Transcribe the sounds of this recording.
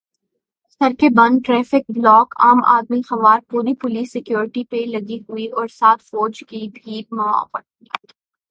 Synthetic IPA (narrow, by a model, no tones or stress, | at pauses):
sɐɾkebɐ̃nʈɾɛːfɪk̚blɔːkʰa̰ːma̰ːd̪mixɐʋaːɾpuːɾipʊliːsːɪkjoːɾɪʈipelɐɡiɦuiʔɔːɾsaːt̪ʰfɔːd͡ʒkibʱiːmɐa̰ːpəʈi